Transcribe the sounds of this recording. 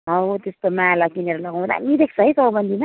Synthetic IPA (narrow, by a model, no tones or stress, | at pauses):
ɦʌɦot̪est̪omalʌkineɾʌlʌɡaw̃d̪a̰mid̪ek̚sʌɦisʌbʌnd̪ʱima